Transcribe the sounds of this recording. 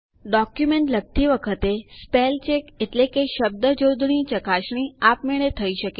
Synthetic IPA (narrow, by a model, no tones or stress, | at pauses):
ɖɔkjumeɳʈləɡ̚t̪ʰiʋəkʰət̪espelt͡ʃekeʈlekeʃəb̚d̪əd͡ʒod̪ʱɳit͡ʃəkaʃɳ̃iapmeɭ̃et̪ʰəiʃəke